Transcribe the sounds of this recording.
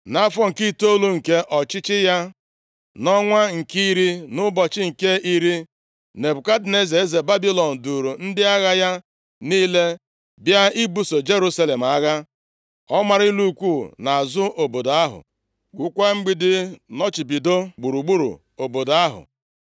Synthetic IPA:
na˦fɔ˦ŋ̩˨ki˦to˦lu˦ŋ̩˨ke˦ʔɔ˨t͡ʃɪ˦t͡ʃɪ˦ja˦ | nɔ˦ŋʷa˦ŋ̩˨ki˦i˦ɾi˦nʊ˦bɔ˨t͡ʃɪ˦ŋ̩˨ke˦i˦ɾi˦ | ne˨bʊ˨ka˦dɪ˨ne˦ze˨e˦ze˨ba˦bi˦lɔ˨n̩˨du˨ɾu˨n̩˦dɪ˦a˦ɣa˦ja˦ | niː˦le˦ | bja˦i˦bu˦so˨d͡ʒe˦ɾu˦sa˦le˨m̩˨a˦ɣa˦ | ɔ˦ma˨ɾi˦lu˦kʷuː˦˨na˨a˨zʊ˦ʔo˨bo˨do˨a˦ɦʊ̰˨ | ɡʷu˨kʷa˦ŋ͡m̩˦ɡ͡bi˦dɪ˦nɔ˦t͡ʃi˨bi˨do˦ɡ͡bu˨ɾu˨ɡ͡bu˦ɾṵ˨ | o˨bo˨da˦ɦʊ̰˨

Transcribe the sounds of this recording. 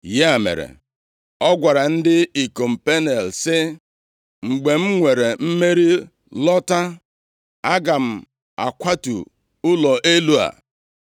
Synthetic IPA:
je˦a˨mḛ˨ɾḛ˨ | ɔ˦ɡʷa˨ɾa˨n̩˦dɪ˦i˨ko˨m̩˨pe˦ne˨lsɪ˦ | ŋ͡m̩˨ɡ͡be˨m̩˦ŋʷe˨ɾe˨m̩˦me˦ɾi˦ | lɔ˦ta˦ | a˦ɡa˨m̩˨ | a̰˨kʷa˦tṵ˨ | ʊ˦lɔ˨ʔe˦lu˦a̰˨

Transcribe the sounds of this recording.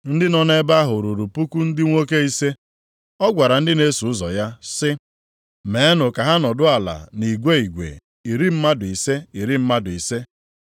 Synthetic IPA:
n̩˦dɪ˦nɔ˦ne˦ba˦ɦʊ˨ɾu˨ɾu˨pu˦ku˦n̩˦dɪ˦ŋʷo˦ke˦i˦se˦ | ɔ˦ɡʷa˨ɾa˨n̩˦dɪ˦ne˦su˨ʊ˦zɔ˨ja˦sɪ˦ | me˨˦nʊ˨ka˨ɦa˦nɔ˨dʊ˦a˨la̰˨ni˨ɡʷe˦i˨ɡʷḛ˨ | i˨ɾi˦m̩˦ma˦dʊ˨i˨se˦i˨ɾi˦m̩˦ma˦dʊ˨i˨se˦

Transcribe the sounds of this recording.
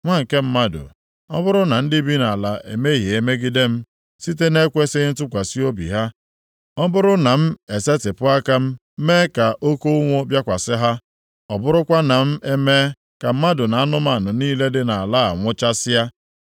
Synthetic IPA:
ŋʷa˦ŋ̩˨ke˦m̩˦ma˦dʊ̰˨ | ɔ̰˦bʊ˦ɾʊ˦na˨n̩˦dɪ˦bi˦na˨la˨ʔe˨me˦ɦje˨e˨me˦ɡi˦de˦m̩˦ | si˦t̬e˦ne˦kʷe˦sɪ˦n̩˦tʊ˦kʷa˨si˦o˦bḭ˨ɦa˦ | ɔ˦bʊ˦ɾʊ˦na˨m̩˦e˨se˦tɪ˨pʊ˦a˦ka˦m̩˦ | me˦ka˨ʔo˦ko˦ŋʷo˦bja˦kʷa˨sɪ˦ɦa˦ | ɔ˨bʊ˦ɾʊ˦kʷa˦na˨m̩˦e˦me˦ | ka˨m̩˦ma˦dʊ˨na˨a˦nʊ˦m˦a˨nʊ˨niː˦le˦dɪ˦na˨a˨la˦a̰˨ŋʷʊ˦t͡ʃa˦sɪ˦a˦

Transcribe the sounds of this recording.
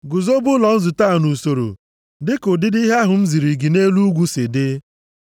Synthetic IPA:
ɡʊ˨zo˦bʊ˦lɔ˨n̩˦zʊ˨ta˦˨nu˨so˨ɾo̰˨ | dɪ˦kʊ˨dɪ˦di˦ɦa˦ɦʊ˨n̩˦zi˨ɾi˨ɡi˨ne˦lu˦ɡʷu˦sɪ˨dɪ˦

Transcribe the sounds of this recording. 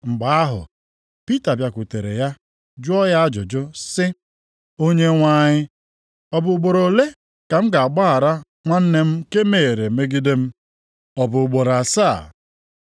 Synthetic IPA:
ŋ͡m̩˨ɡ͡ba˨˦a˦ɦʊ̰˨ | pi˦ta˨bja˨kʷu˨te˨ɾḛ˨ja˦ | d͡ʒʊ˦ɔ˦ja˦a˦d͡ʒʊ˨d͡ʒʊ˦sɪ˦ | o˦ɲe˦ŋʷa˦ɲɪ˦ | ɔ˨bʊ˨ɡ͡bo˨ɾo˨le˦ | ka˨m̩˦ɡa˨a˨ɡ͡ba˦a˨ɾa˦ | ŋʷa˦n̩˦ne˦m̩˦ke˦me˨ɾe˨me˦ɡi˦de˦m̩˦ | ɔ˨bʊ˨ʊ˨ɡ͡bo˨ɾa˨saː˦˨

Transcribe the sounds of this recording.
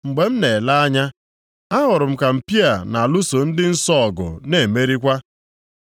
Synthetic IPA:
ŋ͡m̩˨ɡ͡be˨m̩˦ne˨la˦a˦ɲa˦ | a˦ɦʊ˨ɾʊ˨m̩˦ka˨m̩˨pi˦a˨na˨lu˦so˨n̩˦dɪ˦n̩˦sɔ˦˨ɡʊ̰˨ne˨me˦ɾi˦kʷa˦

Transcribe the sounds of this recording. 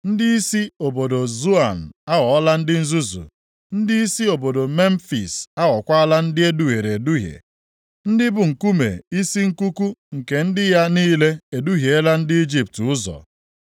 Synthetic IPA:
n̩˦dɪ˦i˦si˦o˨bo˨do˨zu˦a˨n̩˨a˦ɣɔ˨ɔ˦la˦n̩˦dɪ˦n̩˦zu˦zṵ˨ | n̩˦dɪ˦i˦si˦o˨bo˨do˨me˦m̩˦fḭ˨sa˦ɣɔ˨kʷa˦a˦la˦n̩˦dɪ˦e˦du˦ɣe˨ɾe˨e˨du˦ɦjḛ˨ | n̩˦dɪ˦bʊ˨ŋ̩˨ku˦mḛ˨i˦si˦ŋ̩˦ku˦ku˦ŋ̩˨ke˨n̩˦dɪ˦ja˦niː˦le˦e˨du˦ɦje˨e˦la˦n̩˦dɪ˦i˦d͡ʒi˦p̚tʊ˦zɔ̰˨

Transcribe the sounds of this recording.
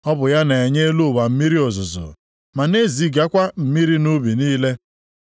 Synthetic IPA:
ɔ˦bʊ˨ja˦ne˨e˨ɲe˦lu˦˨ba˨m̩˦mi˦ɾi˦ɔ˨zʊ˨zʊ̰˨ | ma˨ne˦zi˨˦ɡa˦kʷa˦m̩˨mi˦ɾi˦nu˦bi˨niː˦le˦

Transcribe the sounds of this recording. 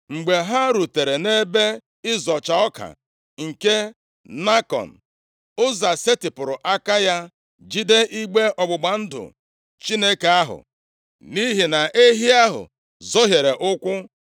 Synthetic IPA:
ŋ͡m̩˨ɡ͡be˨ɦa˦ɾu˨te˨ɾe˨ne˦be˦ | ɪ˦zɔ˨t͡ʃa˨ɔ˦ka̰˨ | ŋ̩˨ke˦ | na˦kɔ̰˨n̩˨ | ʊ˦za˨se˦tɪ˨pʊ˨ɾʊ˨ʔa˦ka˦ja˦ | d͡ʒi˦de˦ʔi˦ɡ͡be˦ɔ˨ɡ͡bʊ˨ɡ͡ba˨n̩˦dʊ̰˨ | t͡ʃi˦ne˦ke˨a˦ɦʊ̰˨ | ni˦ɦi˨na˨ʔe˦ɦi˦a˦ɦʊ̰˨ | zɔ˦ɦje˨ɾe˨ʔʊ˦kʷʊ˦

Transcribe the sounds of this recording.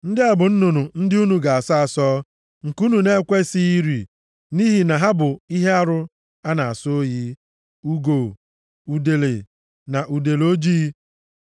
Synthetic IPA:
n̩˦dɪ˦a˨bʊ˨n̩˦no˨nu˨n̩˦dɪ˦u˦nu˨ɡa˨a˨sa˦a˨sɔː˦ | ŋ̩˨ku˦nu˨ne˦kʷe˦si˦i˦ɾi˨ | ni˦ɦi˨na˨ɦa˦bʊ˨i˦ɦe˦a˦ɾʊ˦ | a˦na˨a˨so˦o˦jiː˦ | u˦ɡo˨ | u˨de˨le˨ | na˨ʔu˨de˨lo˦d͡ʒiː˦

